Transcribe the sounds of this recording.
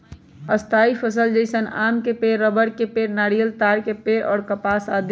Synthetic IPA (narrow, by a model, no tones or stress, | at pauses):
əst̪ʰaːipʰəsəld͡ʒəɪsənaːmkepeːɾːəbəɽkepeːɾnaːɽijəlt̪aːɾkepeːɾɔ̰ːɾkəpaːsaːd̪